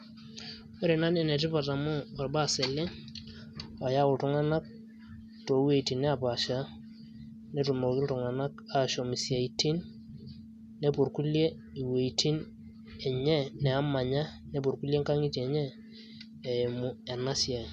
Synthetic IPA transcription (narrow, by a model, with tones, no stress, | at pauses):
we˦ɾe˨na˦ne˨nɛ˨t̬ɪ˦pa˨ta˨mʊ˦a˨rba˦˨se˨le˦ŋ | a˨ja˦ʊ˨ltʊ˨˦ŋa˦na˦k̚ | to˨˦we˦˨i˨ti˨ne˦a˨pa˨ʃa˦ | ne˨tu˨mo˨kɪ˦ltʊ˨ŋa˨na˦ka˨ʃo˨mi˨sja˨i˨ti˦n | e˨pu˨rku˦lje˦ | i˨we˨itʰi˦n | ɛ˨ɲɛ˦nɛ˨a˦ma˨ɲa˦ne˨p̬u˨rku˦lje˦ŋka˦ŋi˦te˨ɲɛː˦˨ | mʊ˨ɛ˨na˦sja˨